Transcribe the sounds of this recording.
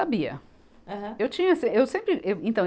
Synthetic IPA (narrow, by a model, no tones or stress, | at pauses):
abiɐ̰ | aɦɐ̃ewt͡ʃĩɲɐsẽewsẽmpɾɪʔewẽnt̪ɐ̃